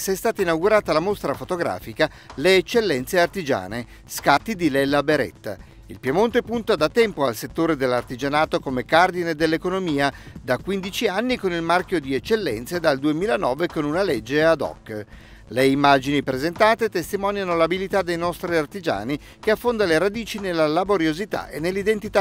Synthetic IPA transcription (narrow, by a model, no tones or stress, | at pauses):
sɛst̪aːt̪ainawɡuɾaːt̪alamost̪ɾafot̪oɡɾa̰ːfika | leːt͡ʃːelːɛnt̪seart̪id͡ʒa̰ːne | skat̪ːid̪ilɛlːabeɾɛ̰t̪ːa̰ | ḭlpjemont̪epunt̪ad̪at̪ːɛmpoalset̪ːoːɾed̪elːart̪id͡ʒanaːt̪okomekard̪ined̪elːekonomiːad̪akwind̪it͡ʃianːikonilmarkʲjod̪iɛt͡ʃːelːɛ̰nt̪sed̪ald̪uemiːlanɔːvekonunaled͡ʒːead̪ɔ̰kː | leimːad͡ʒinipɾezent̪aːt̪et̪est̪imɔːnjanolabilit̪ad̪ːejnɔst̪ɾiart̪id͡ʒa̰ːni | keafːond̪aleɾad̪iːt͡ʃinelːalaboɾjozit̪a̰ʔḛnːelːid̪ent̪it̪a